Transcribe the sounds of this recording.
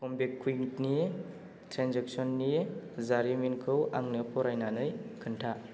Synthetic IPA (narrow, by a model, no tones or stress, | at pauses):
kʰɔmbekʰːujŋtnie | tʰɾanzek̚sɔnːiezaɾiminkʰɯwaŋnɯpʰɔɾajnanɯjkʰɯntʰa